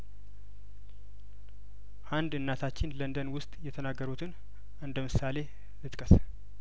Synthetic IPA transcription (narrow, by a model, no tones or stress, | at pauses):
ʔand̪ɨnːat̪ʰat͡ʃːɪnlənd̪ənwʊst̪ʼjɛt̪ʰənaɡːəɾut̪ʰɨn | ʔɨnd̪əmɨsale̞ | lɨt̪ʼkʼəs